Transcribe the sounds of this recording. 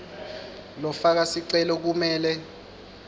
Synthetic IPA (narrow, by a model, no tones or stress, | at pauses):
lɔfak̬asiǀɛlɔk̬umɛːlɛ